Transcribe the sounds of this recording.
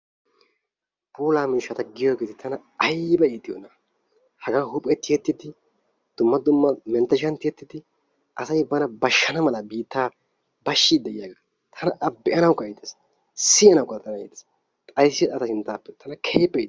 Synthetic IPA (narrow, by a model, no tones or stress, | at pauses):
buːlaːmiːʃːɐt̪ɐɡɪjoːɡeːt̪ɪt̪ʰɐnɐ | ɐjbɐiːt̪ːɪjo̰ːnɐ | hɐɡahʊpʼːɛt̪ɪjɛt̪ːɪd̪ɪ | d̪̥ʊmːɐd̪ʊmːɐmɛnt̪ːɐʃ̬ɐnt̪ɪjɛt̪ːɪd̪ɪ | ʔɐsɐjbɐnɐbɐʃːɐnɐmɐlɐbiːt̪ːaː | bɐʃːid̪ɛjɪjaːɡɐ | t̪ʰɐnɐʔɐbːɛʔɐnɐwkːɐɛːt̪ːes | sɪjɐnɐwkːɐt̪ʼːɐnɐɛ̰ːt̪ːɛ̥s | t̪ʼɐjsːɪɐt̪ɐsɪnt̪aːpːɛt̪ʰɐnɐkʰeːpːɛ